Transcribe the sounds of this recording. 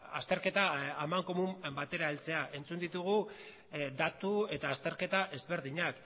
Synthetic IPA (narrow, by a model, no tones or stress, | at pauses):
ast̪e̞ɾke̞t̪aːmaŋko̞mumbat̪e̞ɾaelt͡se̞aʔe̞nt͡sund̪it̪uɣ̞u | d̪at̪ue̞t̪aːst̪e̞ɾke̞t̪aʔe̞zβe̞ɾðiɲak